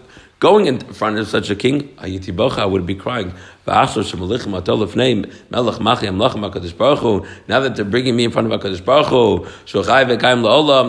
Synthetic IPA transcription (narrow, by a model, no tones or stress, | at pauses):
ɡ̥oʊɪ̃ŋɨ̃nfɹʌ̃ntʌv̥sʌt͡ʃəkʰɪ̃ŋa̰jɨtʰibɔχəaɪwəd̚bikʰɹ̥aɪɪ̃ŋv̥ə̰aχsəʃəməlˠɪχə̃matʰɔlˠəfneɪmːʔɛlˠəχmaχiamlˠɔχə̃mbakɔdəʃb̥ɔɹχunaʊðɨtʰɨbɹɪ̃ŋɪ̃ŋmiɨ̃nfɹʌ̃ñtʌvakʰɔdɨʃb̥ɔɹχuʃuχajəvəkajɪ̃mlˠəɔʊlˠɔ̃m